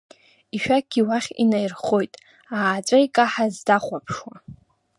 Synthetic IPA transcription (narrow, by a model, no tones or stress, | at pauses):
iʃᶣaɡʲiwaχʲḭnajrχo̞jtʼ | aːt͡ʃʷʼajkʼaħazdaχʷapʰʂwa